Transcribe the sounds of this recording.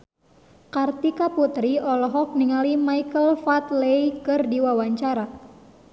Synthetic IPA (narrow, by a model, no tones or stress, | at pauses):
kart̪ikaput̪ɾiɔlɔɦɔk̚niŋalimaikəlfat̪leikɨrdiwawaɲt͡ʃaɾa